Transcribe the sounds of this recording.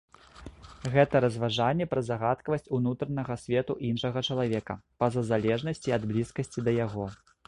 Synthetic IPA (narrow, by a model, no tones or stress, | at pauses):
ɣɛt̪ɐɾɐzvaʐanʲːɛpɾɐzaɣat̪kɐvɐsʲt͡sʲunut̪ɾɐnɐɣɐsʲvʲɛt̪uʔinʂɐɣɐt͡ʂɐlˠavʲɛkɐpɐzɐzalʲɛʐnɐsʲt͡sʲiɐd̪blʲiskɐsʲt͡sʲid̪ɐjaɣɔ